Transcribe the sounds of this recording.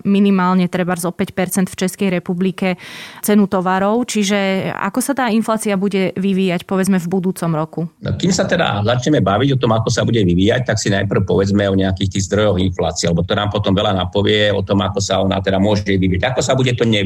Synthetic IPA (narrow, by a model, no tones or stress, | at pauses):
minimaːlɲɛt̪ɾɛbaɾzɔpɛcpɛɾt͡sɛnt̪ft͡ʃɛskɛjɾɛpublikɛt͡sɛnut̪ɔʋaɾɔʊt͡ʃiʒɛa̰kɔsat̪aːinflaːt͡siabuɟɛʋiʋiːjacpɔʋɛd͡zmɛvbud̪uːt͡sɔmɾɔkun̰kimsat̪ɛd̪a̰zat͡ʃɲɛmɛbaʋiɟɔt̪ɔmakɔsabuɟɛʋiʋiːjac̚t̪aksinajpr̩ʊpɔʋɛd͡zmɛɔɲɛakiːxt̪iːɣzd̪ɾɔjɔɣinflaːt͡siɛalɛbɔt̪ɔnaːmpɔt̪ɔmʋɛlanapɔʋɪɛɔ̰t̪ɔmakɔsaɔna̰t̪ɛd̪amʊɔʒɛʋiʋiaɟakɔsabuɟɛt̪ɔɲɛ